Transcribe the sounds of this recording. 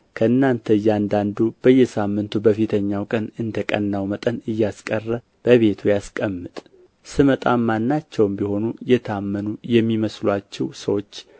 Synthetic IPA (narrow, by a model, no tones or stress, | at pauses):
kʰəɨnːant̪ʰəɨjːɛand̪and̪ub̥əjːɛsamːɨnt̪ʰubəfit̪ʰəɲːawkʼənɨnd̪əkʼə̰nːawmət̪ʼənɨjːaskʼərːə | b̥əβe̞t̪ʰujaskʼəmːɨt̪ʼ | sɨmət̪ʼamːanːat͡ʃːɛwmbiho̞nujɛt̪ʰamːənujɛmːiməslwat͡ʃːɛwsəwo̞t͡ʃː